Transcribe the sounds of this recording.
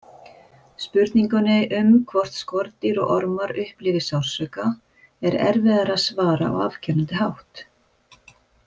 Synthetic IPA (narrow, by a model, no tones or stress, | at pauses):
spʏɾt̪niŋkʏnɪʔʏmkʰvɔr̥t̪skɔɾt̪ɪɾɔɣɔɾmaɾʏhplɪːvɪsawr̥sœka | ɛɾɛ̰ɾvɪðaɾaðsvaːɾaɔ̰wav̥cʰɛnʏnt̪ɪɦawht̪